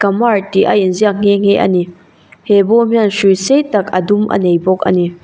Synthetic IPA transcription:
kɐmaɹtiʔa̰jinziakŋ̥eŋ̥eʔɐ̰ni | hebɔmiansujsejtɐkɐ̰dumʔɐ̰nejbɔk̚ɐ̰ni

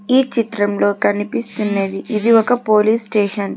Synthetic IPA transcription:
iːt͡ʃit̪ɾɐmlo̞ːkɐnipist̪unːeːd̪iʔid̪iɔkɐpoːliːsʈeːʂɐn

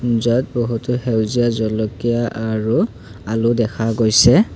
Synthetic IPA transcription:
zɔt̚boɦutʊhewzijazɔlɔkijaʔaɹu | alʊdɛkʰaɡojsɛ

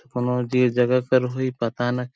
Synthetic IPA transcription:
kʊnõd͡ʒid͡ʒəɡakəɾɦoipɐt̪anɐk

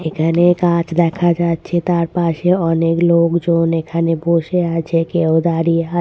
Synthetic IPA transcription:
ekʰanekãt͡ʃd̪ɛkʰad͡ʒat̪t͡ʃʰet̪aɾpaʃeɔneklokd͡ʒonekʰaneboʃeat͡ʃʰekeõd̪aɾiɦa

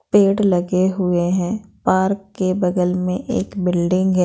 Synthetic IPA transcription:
peːʈlɐɡeɦʊeɦɛ̃ːpaːɾkːebɐd̪əlmẽʔeːkbɪlɖɪ̃ŋɡɦɛ

